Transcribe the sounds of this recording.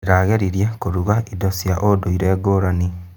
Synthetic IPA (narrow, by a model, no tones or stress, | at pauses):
ɾaɣeɾiɾjakoɾuɣaʔidɔsjaʔodoiɾɛːɡoːɾani